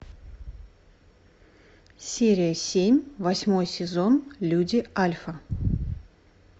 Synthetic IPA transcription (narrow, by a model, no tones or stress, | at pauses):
sʲeɾʲɪjəsʲemʲvɐsʲmo̞jsʲɪzo̞nlʲudʲɪalʲfə